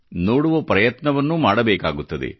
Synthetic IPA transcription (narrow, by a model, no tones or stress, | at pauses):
noːɽuʋɐpɾɐjɐt̪nɐʋɐnːumaːɽɐbɛːka̰ːɡut̪ːɐd̪ḛ